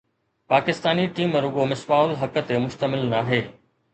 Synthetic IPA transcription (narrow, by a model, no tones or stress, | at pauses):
paːkɪst̪aːniʈiːmɾʊɠomɪsʋaːʊlɦɐkə̆t̪emʊʃt̪əmɪlnaːɦeː